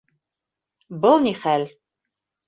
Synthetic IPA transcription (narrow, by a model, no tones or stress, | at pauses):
bɤlˠniχælʲ